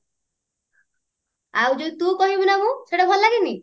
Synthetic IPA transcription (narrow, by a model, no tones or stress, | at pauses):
awd͡ʒod̪it̪ukɔɦibunamũseɽabʱɔlɔlaɡini